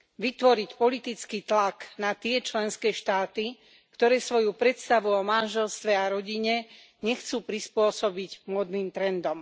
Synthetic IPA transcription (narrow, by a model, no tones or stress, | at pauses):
ʋit̪ʋɔɾicpɔlit̪it͡skiːt̪laknat̪ɪɛt͡ʃlɛnskɛːʃt̪aːt̪i | kt̪ɔɾɛːsʋɔjupɾɛt̪st̪aʋuɔmanʒɛlst̪ʋɛaɾɔɟiɲɛ | ɲɛxt͡suːpɾispʊɔsɔbiɟmʊɔd̪niːmt̪ɾɛnd̪ɔm